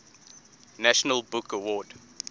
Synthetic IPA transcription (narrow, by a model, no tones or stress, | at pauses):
næʃənəlˠbʊkəwɔːd